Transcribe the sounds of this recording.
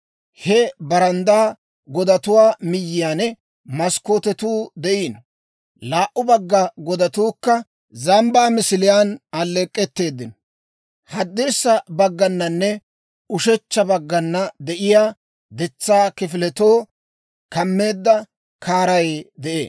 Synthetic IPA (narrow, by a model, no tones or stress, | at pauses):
hɛbɐɾɐnd̪aː | ɡɔd̪ɐt̪ʊwaːmɪjːɪjaːnɛ | mɐskoːt̪ɛt̪uːd̪ɛʔiːn | laːʔʊbɐɡːɐɡɔd̪ɐt̪uːkːɐ | zɐmbaːmɪsɪlɪjaːnɐlːekʼːɛt̪ːe̞ːd̪ːɪnɔ | hɐd̪ːeːsːɐbɐɡːɐnːɐnːɛ | ʊʃɛt͡ʃːɐbɐɡːɐnːɐd̪ɛʔɪjaː | d̪ɛt͡sːaːkɪfɪlɛt̪oː | kɐmːe̞ːd̪ːɐ | kʰaːɾɐjd̪ɛʔḛː